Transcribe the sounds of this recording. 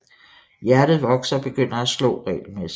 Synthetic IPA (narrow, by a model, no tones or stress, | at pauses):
jæɐɾ̥ð̞̩ˠʋɒ̽ɡ̥sɐɒ̽b̥e̝ɡ̥øn̰ɐæslɔ̰̽ːʁɛ̰ːlmesi